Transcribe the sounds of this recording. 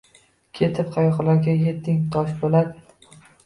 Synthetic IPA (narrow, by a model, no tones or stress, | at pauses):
kʲʰe̞t̪ʰɪpqʰɑjɒχlaɾɡʲaje̞t̪ʰːɪŋt̪ʰɒʃbolad̪ɪ